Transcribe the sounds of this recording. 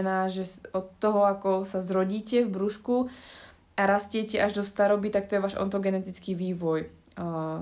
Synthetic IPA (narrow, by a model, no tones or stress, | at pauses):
naːʒɛɔt̪ːɔɦɔakɔsazɾɔɟiːcɛvbɾuʃku | aɾascɪɛcɛʔaʒd̪ɔst̪aɾɔbit̪ak̚t̪ɔjɛʋaːʒɔ̰nt̪ɔɡɛnɛt̪it͡skiːʋiːʋɔj